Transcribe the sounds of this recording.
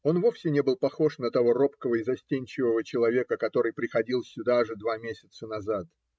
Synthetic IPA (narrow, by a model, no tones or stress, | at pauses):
o̞nvo̞fsʲɪnʲebɨlˠpɐxo̞ʂnət̪ɐvo̞ro̞pkəvəɪzɐsʲtʲenʲt͡ɕɪvəvət͡ɕɪlˠɐvʲe̞kəkɐt̪o̞ɾɨjpɾʲɪxɐdʲilˠsʲʊd̪aʐɨd̪vamʲesʲɪt̪sənɐzat̪